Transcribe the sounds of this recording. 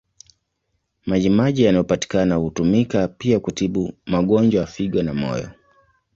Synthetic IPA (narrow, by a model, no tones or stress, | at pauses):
maʄimaʄijanajɔpati̥kanahutumikapiakutiɓumaɠɔnd͡ʒwaafiɠwanamɔ̰jɔ̰